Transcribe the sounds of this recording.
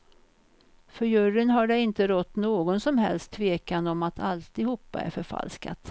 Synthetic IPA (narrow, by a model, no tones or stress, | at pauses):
fœɾjɵrənɦaɖɛɪnt̪əɾɔt̪ːnoːɡɔnsɔmɦɛ̰lst̪ʰːveːkand̪ɔmat̪ʰalt̪ɪhuːpːa̰æ̰ɾfœɾfa̰lska̰t̪